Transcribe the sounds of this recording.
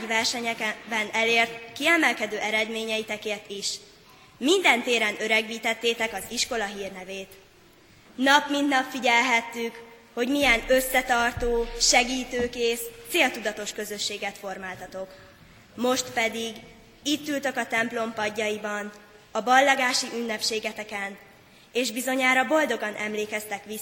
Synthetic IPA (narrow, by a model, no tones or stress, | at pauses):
vɛrʃɛɲɛkɛbɛnɛleːrt̪kiɛmɛlkɛd̪øːʔɛɾɛd̪meːɲɛjit̪ɛkeːrt̪iʃ | mind̪ɛnt̪eːɾɛnøɾɛɡʋiːt̪ɛt̪ːeːt̪ɛkɒziʃko̞lɒɦiːrnɛveːt̪ | nɒpmind̪nɒpfiɟɛlɦɛt̪ːyk | ho̞ɟmijɛnø̞sːɛt̪ɒrt̪oːʃɛɡiːt̪øːkeːst̪seːlt̪ud̪ɒt̪o̞ʃkø̞zø̞ʃːeːɡɛt̪fo̞rmaːlt̪ɒt̪o̞k | mo̞ʃt̪pɛd̪iɡ | iːt̪ːylt̪ø̞kɒt̪ɛmplo̞mpɒɟːɒjibɒn | ɒbɒlːɒɡaːʃiʔynːɛpʃeːɡɛt̪ɛkɛn | eːʒbizo̞ɲaːɾɒbo̞ld̪o̞ɡɒnʔɛmleːkɛst̪ɛkʋi